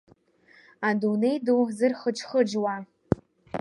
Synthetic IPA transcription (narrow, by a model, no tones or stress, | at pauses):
adunejduzɨrχət͡ʃχəd͡ʒwa